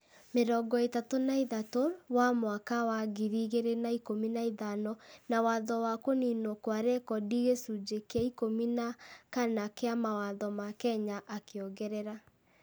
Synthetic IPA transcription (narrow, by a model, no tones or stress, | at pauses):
meɾɔɡɔetatonaiðatoɾwamwakawaɣiɾiɣeɾenaikominaiðanɔnawaðɔwakoninokwaɾɛkɔdiɣesud͡ʒekeaikominakanakeamawaðɔmakɛɲaʔakejɔɣɛɾɛɾa